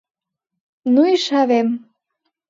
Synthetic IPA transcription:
nuiʃɑβem

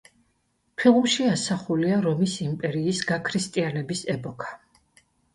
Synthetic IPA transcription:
pʰilˠmʃiasaχuliaɾɔmisimpʼɛɾiːsɡakʰɾist̪ʼianɛbisɛpʼɔkʰḁ

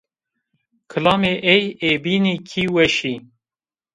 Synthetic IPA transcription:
kʰɨlɑːmeːʔɛjeːbiːniːkʰiːwɛʃi

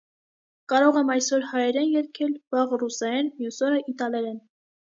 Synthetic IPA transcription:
kɑɾɔʁɛmɑjsɔɾhɑjɛɾɛnjɛɾkʰɛlvɑʁrusɑɾɛnmjusɔɾəʔit̪ɑlɛɾɛn

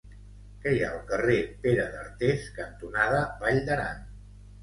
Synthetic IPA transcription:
kɛja̰əlˠkərepeɾəðəɾt̪eskənt̪unaðəbaʎd̪əɾa̰n

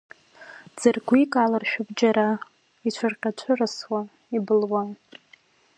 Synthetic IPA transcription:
d͡zɨrɡʷikʼalarʃᶣʊbd͡ʒaɾa | it͡ʃʷʰarqʲʼat͡ʃʷʰɨrɨswa | ibɨlwa

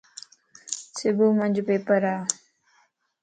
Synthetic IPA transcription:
sɪbuːmənʲd͡ʒpeːpəɾaː

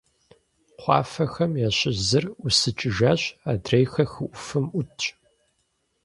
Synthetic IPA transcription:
qʷɑ̰ːfɐxɐmjaːɕʼɪzɨrʊsɨt͡ʃʼɪʒaːɕaːdrejxɐxɨʔʷʊfɨmʷʊtʰ

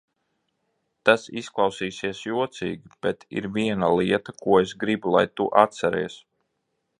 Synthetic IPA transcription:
t̪asisklˠɑwsiːsiɛsjuɔt̪sḭːɡʲib̥ɛt̪ʰḭɾviɛnalˠiɛt̪akuɔesɡɾibulˠa̰jt̪uʔat̪sɛɾɛ̰ːs

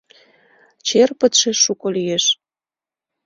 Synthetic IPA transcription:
t͡ɕerpət̪ʃeʃukolijeʃ

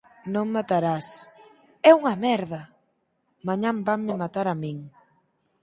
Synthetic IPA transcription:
nõŋmat̪aɾas | ɛuŋɐmɛɾðɐ | maɲãmbaŋmɪmat̪aɾamiŋ

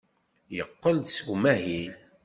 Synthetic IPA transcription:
jəqːəlsumæhil

